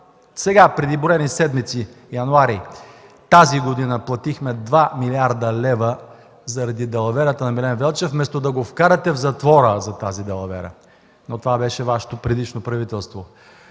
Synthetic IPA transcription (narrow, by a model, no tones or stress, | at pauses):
sɛɡapɾɛd̪iboɾɛnisɛd̪mit̪si | jɐnuaɾi | t̪aziɡod̪inəplˠɐt̪ixmɛd̪vamiliaɾd̪əlɛvə | zɐɾɐd̪id̪ɐlˠɐvɛɾət̪ənɐmilɛnvɛlˠt͡ʃɛfmɛst̪od̪ɐɡofkaɾɐt̪ɛvzɐt̪vɔɾəzɐt̪azid̪ɐlˠɐvɛ̰ɾə̰ | not̪ovabɛʃɛvaʃɛ̥t̪opɾɛd̪it͡ʃnopɾɐvit̪ɛlˠst̪vo